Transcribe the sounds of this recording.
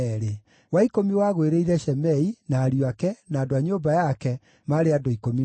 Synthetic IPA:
ɾe | waikomiwaɣweɾeiɾɛʃɛmɛinaːɾjoakɛnaːdoaɲoːbajakɛ | maɾeadoikomi

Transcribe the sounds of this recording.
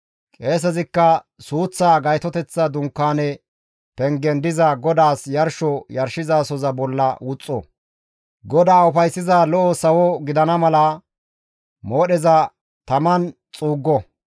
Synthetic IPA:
kʼe̞ːs̬ɛzɪkːɐ | suːt͡sːaːɡɐjt̪ɔt̪ɛt͡sːɐd̪ʊŋkːaːnɛ | pɛŋɡɛnd̪ɪzɐɡɔd̪aːsjɐɾʃɔjɐɾʃɪzaːsɔzɐbɔlːɐ̰wʊt͡sʼːɔ̰ | ɡɔd̪aːʊfɐjsːɪzaːlɔʔɔsɐwɔɡɪd̪ɐnɐmɐlɐ | moːɗɛzɐ | t̪ɐmɐn | t͡sʼuːɡːɔ

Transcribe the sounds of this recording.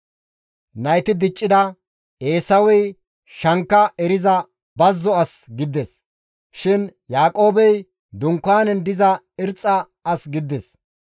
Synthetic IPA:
nɐjt̪ɪd̪ɪt͡ʃʼːɪd̪ɐ | e̞ːsɐwɛj | ʃɐŋkːɐɛɾɪzɐ | bɐzːɔɐsɡɪd̪ɛs | ʃɪnjaːkʼo̞ːbɛj | d̪ʊŋkːaːnɛnd̪ɪzɐ | ɪɾt͡sʼːɐː | sɡɪd̪ːɛs

